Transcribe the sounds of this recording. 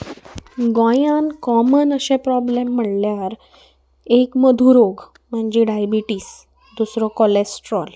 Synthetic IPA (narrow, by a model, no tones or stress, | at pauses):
ɡɔ̃jãnkɔmənəɕẽpɾɔblemːəɽljaɾ | ekməd̪ʱuɾoɡ | m̤əɳd͡ʑiɖajbiʈiːs | d̪usɾɔkɔlesʈɾɔl